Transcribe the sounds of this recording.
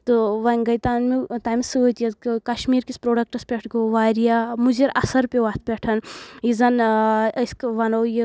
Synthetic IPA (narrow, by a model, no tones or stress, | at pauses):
t̪ɨʋɐɡɐjt̪aːnmit̪aːmsɨot̪ijɐkkɐʃmiːɾkispɾoːɖɐk̚ʈɐspʲeʈʰɡoʋaːɾijamuziɾɐsɐɾpʲeʋaːt̪ʰpʲeʈʰɐnizɐnɐskʋɐnoji